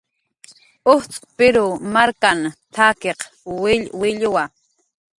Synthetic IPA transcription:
oht͡sʼʊ̥pɪɾʊmaɾkant̪ʰaːkeq | wɪʎʊwa

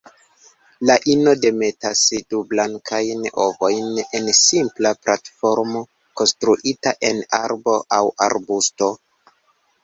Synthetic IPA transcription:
laʔino̞de̞me̞tasdublaŋkʰajno̞̰vo̞jne̞nsimplaplʔatfo̞ɾmo̞ | ko̞nstɾuʔitaʔe̞naɾbo̞ʔawa̰ɾbusto̞

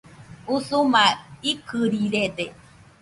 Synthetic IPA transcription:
usumaikʰɨɾiɾed̪e

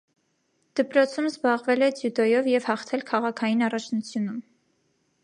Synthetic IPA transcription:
d̪̥əpɾɔt͡sʰumzbɑʁvɛlɛt͡sjud̪ɔjɔvjɛvhɑχt̪ʰɛlkʰɑʁɑkʰɑjinɑrɑt͡ʃʰnut͡sʰjunum

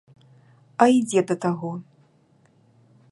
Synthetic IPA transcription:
ɐid͡zʲɛd̪ɐt̪aɣɔ

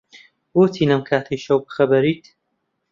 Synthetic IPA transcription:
ɡoːt̪ʰiːnɐmkʰaːt̪ʰiʃɐwbɨ̥xɐbɐɾiːt̪

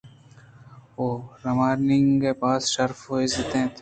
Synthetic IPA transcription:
oːɾɐmaːɾnɪŋɡkepaːsʃɐɾfɦoːɪzɐt̪ẽːt̪ʰ

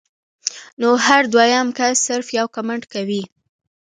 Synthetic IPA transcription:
nohaɾd̪wajamkasːɪɾfjawkamaɳʈkawi

